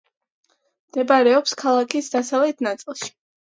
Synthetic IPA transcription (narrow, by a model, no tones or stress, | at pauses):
md̪̥ɛbaɾɛɔpskʰalˠakʰisd̪asavlɛt̪ʰnat̪sʼilˠʃi̥